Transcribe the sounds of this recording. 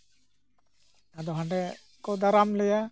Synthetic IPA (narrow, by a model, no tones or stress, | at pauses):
ad̪ɔɦaɳɖɛ | kɔd̪aɾamlɛja